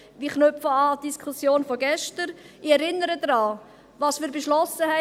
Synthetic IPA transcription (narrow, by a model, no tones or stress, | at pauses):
ʋiːχnøpfəɑːd̥iskʰχusjoːnfɔɡɛʃtəɾ | ɪɛɾɪnəɾədɾɑː | vɑːsmiːɾbeʃlɔsəhɛ